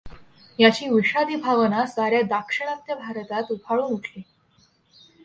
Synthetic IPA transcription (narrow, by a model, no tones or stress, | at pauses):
jat͡ɕiːʋiɕad̪iːbʱaʋənasaɾjad̪akʂəɽ̃ãnt̪jabʱaɾət̪at̪upʰaɭuːnuʈʰli